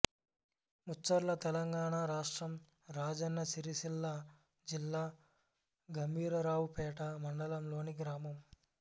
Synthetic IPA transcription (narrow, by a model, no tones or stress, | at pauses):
mut͡ʃːɐɾlɐt̪ɛlɐŋɡaːɳaːɾaːʂʈɾɐm | ɾaːd͡ʒɐnːɐsiɾisilːaː | d͡ʒilːaː | ɡɐmbʱiːɾɐɾaːwpɛːʈɐmɐɳɖɐlɐmloːniɡɾaːmɐm